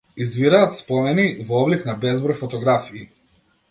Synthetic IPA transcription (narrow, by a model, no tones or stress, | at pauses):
izviɾaːt̪spɔmɛnivɔɔbliknabɛzbɾɔjfɔt̪ɔɡɾafiː